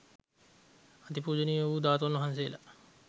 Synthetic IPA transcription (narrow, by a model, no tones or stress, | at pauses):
at̪ipuːd͡ʒəniːoʋuːd̪aːt̪onʋɐɦansejla